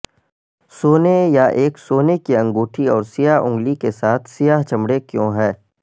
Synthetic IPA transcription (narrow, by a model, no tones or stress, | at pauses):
soːnejaʔeːksoːnekiɐ̃ŋɡoːʈʰiɔːɾsijaːɦʊ̰̃ŋɡlikesaːt̪ʰsɪjaːɦt͡ʃɐmɽekjõːɦɛː